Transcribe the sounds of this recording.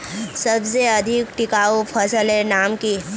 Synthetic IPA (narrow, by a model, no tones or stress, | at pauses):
səbseɐd̪ʱɪkʈɪkaːupʰəsəlẽnaːmki